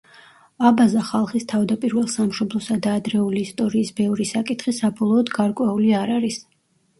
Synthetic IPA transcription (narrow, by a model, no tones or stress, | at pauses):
abazaχalˠχist̪ʰavd̪apʼiɾvɛlˠsamʃɔblˠɔsad̪aːd̪ɾɛuliːst̪ʼɔɾiːsbɛvɾisakʼit̪ʰχisabɔlˠɔːd̪ɡaɾkʼwɛuliaɾaɾis